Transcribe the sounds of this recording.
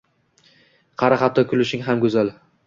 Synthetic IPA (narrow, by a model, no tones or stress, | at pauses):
qʰɑɾaχat̪ʰːɒkʰʲʊlɪʃɪŋɦamɡɵzal